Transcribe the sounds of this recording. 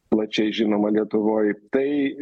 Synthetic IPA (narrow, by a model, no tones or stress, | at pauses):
lˠɐt͡ʃʲɛɪʒʲɪnoːmɐlʲiɛt̪ʊʋoːjt̪ɐɪ